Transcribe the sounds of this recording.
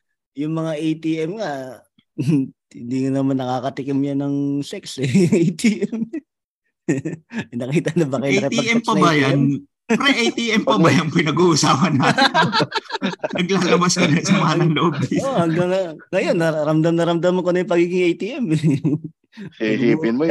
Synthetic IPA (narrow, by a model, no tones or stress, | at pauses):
jʊŋmɐŋaʔejt̪iːʔɛmŋa | hɪ̰nd̪iːŋonɐmanːɐkaːkɐt̪ɪkɪmjanːɐŋsɛksɛejt̪iːʔɛm | ɐjnɐkiːt̪ɐnɐbɐkɐjʊnɛt̪iʔɛmpɐbajan | pɾɛʔejt̪iʔɛmpɐbajɐnpɪnɐɡuʔsaːpɐnat̪ | nɐɡlaːlɐbaskɐnɐsɐmɐanɐŋloobɪohɐŋɡaŋaŋɐjo̞nːɐɾɐmd̪amnɐɾɐmd̪amɐnkonɐjʊpɐɡiːɡɪŋʔejt̪iːʔɛm | ihiːpɪnmo